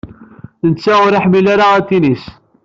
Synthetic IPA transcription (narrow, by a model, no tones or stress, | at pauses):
θnət͡sːaʊɾaħmilaɾaæt̪ːinis